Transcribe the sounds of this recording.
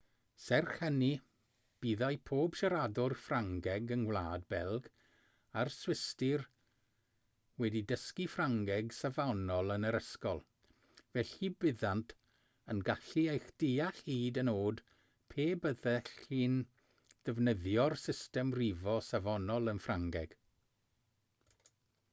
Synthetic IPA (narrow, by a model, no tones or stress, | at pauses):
sɛrχəni | b̥iðajpʰoːb̥ʃaɾadɔrfraŋɡɛɡənwlˠaːdbɛlˠɡ | arswɪstɪr | wɛdidəskifraŋɡɛɡsavanɔlˠənəɾəskɔlˠ | vɛɬibɪðantʰ | ənɡaɬiejxd̥iaɬhiːdənoːd | pʰeːbəðɛɬiːn | d̥ɛvnəðjɔrsɪstɛmrivɔsavɔnɔlˠənfraŋɡɛɡ̥